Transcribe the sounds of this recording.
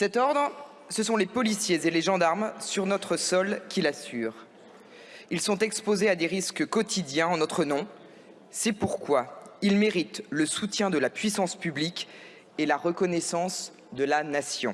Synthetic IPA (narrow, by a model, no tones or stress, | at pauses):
sɛt̪ɔʁd̪ʁ | səsɔ̃lepɔlisjezeleʒɑ̃d̪aʁmsyʁnɔt̪χəsɔlkʲilasyːʁ | ilsɔ̃t̪ɛkspozead̪eʁiskkɔt̪id̪jɛ̃ɑ̃nɔt̪χənɔ̃ | sɛpuʁkwailmeʁit̪ləsut̪jɛ̃d̪əlapɥisɑ̃spyblikʲ | elaʁəkɔnɛsɑ̃s | d̪əlanasjɔ̰̃